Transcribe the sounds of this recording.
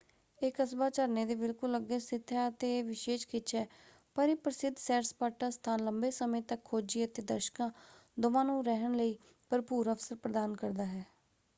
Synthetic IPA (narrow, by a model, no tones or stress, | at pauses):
ekəsbaːt͡ʃəɾneːd̪eːbɪlkʊləɡːeːsɪt̪ʰːjaːət̪eːʋɪʃeːʃkɪt͡ʃʰɦɛː | pəɾɪpɾəsɪd̪ʱsɛːɾspaːʈaːst̪ʰaːnləmbeːsəmẽːt̪əkʰːoːd͡ʒiːət̪eːd̪əɾʃkãːd̪ʊʋãːnũːɾɛɦəɳləiː | pəɾpuːɾəfsəɾpɾəd̪aːnkəɾd̪aːɦɛː